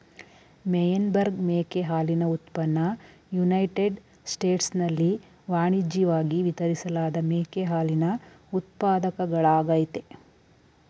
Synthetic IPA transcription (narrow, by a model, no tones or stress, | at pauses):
mɛjɐnbɐɾɡmeːkeɦaːlinɐut̪pɐnːɐ | junɐjʈeɖ | sʈeːʈsnɐlːi | ʋaːɳid͡ʒiʋaːɡiʋit̪ɐɾisɐlaːd̪ɐmeːkeɦaːlinɐ | ut̪̚paːd̪ɐkɐɡɐɭaːɡaːjit̪e